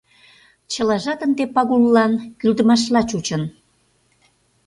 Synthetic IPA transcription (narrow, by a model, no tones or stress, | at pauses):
t͡ɕəlɑʒɑt̪ənd̪epɑɣulːɑnkyld̪əmɑʃlɑt͡ɕut͡ɕən